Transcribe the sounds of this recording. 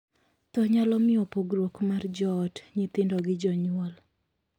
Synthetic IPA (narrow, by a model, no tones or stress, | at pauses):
tɔɲalɔmɪɔpoɡɾwokmard͡ʒɔːtɲɪt̪ɪndɔɡɪd͡ʒɔɲʊɔl